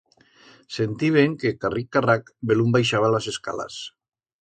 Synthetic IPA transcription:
sent̪iβ̞eŋkekarikːarakbelumbajʃaβ̞alazeska̰la̰s

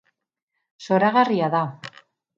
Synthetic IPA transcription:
so̞ɾaɣariaða

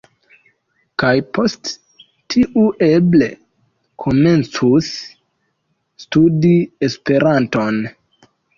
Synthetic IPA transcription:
kajpʰo̞st | tʰiʔuʔe̞ble̞̰ | kʰome̞nt͡sus | tudiespe̞ɾanto̞n

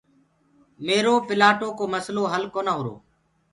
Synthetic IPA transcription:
meːɾoːpɪlaːʈoːkoːməsloːɦəlkoːnaːɦʊɾo̰ː

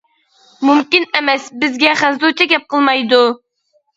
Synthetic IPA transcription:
mumkʲinɛmɛsbɪzɡʲɛχænzut͡ʃʰɑɡʲɛp̚qʰəlˠmɑjd̪u

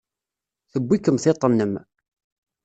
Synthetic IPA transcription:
θəbːikəmθɪt̪ˤːənːəm

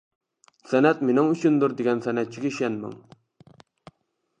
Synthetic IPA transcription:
sɛnɛt̪menɪŋyt͡ʃʰynd̪uɾd̪eɡʲɛnsɛnɛt̪̚t͡ʃʰiɡʲeʃɛnmɪ̰ŋ

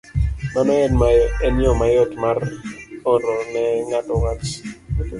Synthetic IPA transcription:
manɔɛnmaɛnjɔmajɔtmarɔɾɔnɛŋatɔwat͡ʃ

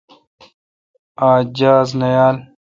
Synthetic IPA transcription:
aːd͡ʑaːznɐjaːl

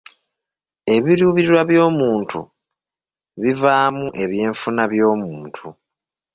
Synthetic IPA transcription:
e̞βiɾuːβiiɾwaβjo̞ːmuːntʰṵ | βivaːmuʔe̞βje̞ːɱfunaβjo̞ːmuːntʰu

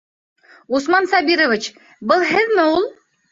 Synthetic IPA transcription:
usmɑnsɑbiɾovɘ̆t͡ɕ | bɤlˠɦɘ̆ðmɘulˠ

